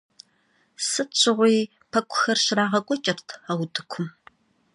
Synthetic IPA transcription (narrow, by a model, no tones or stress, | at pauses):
sɨt͡ʃʰʼɪʁʷiː | pʰɐkʷʰʼʊxɐrɕɪraːʁɐkʷʼɔt͡ʃʼɐrtʰɐwtʰɨkʷʰʊm